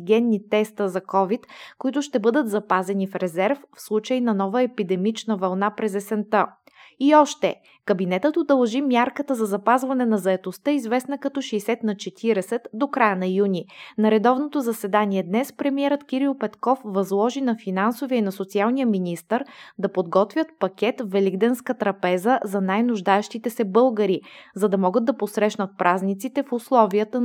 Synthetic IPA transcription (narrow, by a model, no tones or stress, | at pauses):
ɡʲɛnːnit̪ɛst̪əzɐkɔvit̪koit̪ʊʃt̪ɛbɤd̪ət̪zɐpazɛnifɾɛzɛɾffslˠut͡ʃəinɐnɔvəɛpid̪ɛmit͡ʃnəvɐlˠnapɾɛzɛsɛnt̪ə | iɔʃt̪ɛ | kəbinɛt̪ət̪od̪ɐlˠʒimʲjaɾkət̪əzɐzɐpazvɐnɛnɐzɐɛt̪ost̪ɤizvɛsnəkɐt̪ɔʃɛsɛt̪nɐt͡ʃɛt̪ʰiɾɛsɛt̪d̪okɾajənɐjunʲinɐɾɛd̪ɔvnot̪ozɐsɛd̪aniɛd̪nɛspɾɛmiɛɾət̪kiɾilˠpɛt̪kɔfvɐzlˠɔʒinɐfinansoviəinɐsot̪sialˠnijəminist̪əɾd̪ɐpod̪ɡɔt̪vʲjət̪pɐkʲɛt̪vvɛliɡd̪ɛnskət̪ɾɐpɛzəzɐnajnʊʒd̪aɛʃt̪it̪ɛsɛbɤlˠɡəɾizɐd̪ɐmɔɡəd̪d̪ɐposɾɛʃnɐt̪̚pɾʔaznit̪sit̪ɛfʊslˠɔviət̪ə